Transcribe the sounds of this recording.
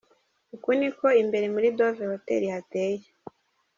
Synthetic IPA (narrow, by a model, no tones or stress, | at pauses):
ukuniko̞imbe̞ɾemuɾidovehotḛɾihate̞ːje